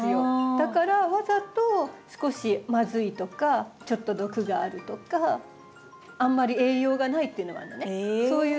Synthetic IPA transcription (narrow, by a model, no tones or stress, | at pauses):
ɨjod̪̥akaɾaβazat̪o̞sɨ̥ko̞ɕimazɨit̪o̞kat͡ɕo̞t̪ːo̞d̪o̞kɯ̟ɡaːɾɯ̟t̪o̞ka | ãmːaɾʲie̞ːjo̞ːɡanait̪ːeɯ̟no̞a̰nːoneso̞ːjɯ